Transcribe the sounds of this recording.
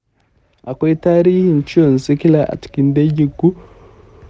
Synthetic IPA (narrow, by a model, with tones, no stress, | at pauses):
a˨kweː˦taː˦ɾi˦hi˦˨n˨t͡ʃi˦o˨n˨zi˦ki˦la˦ʔa̰˨ti̥˨ki˨nde˦ɟi˦ɡu˦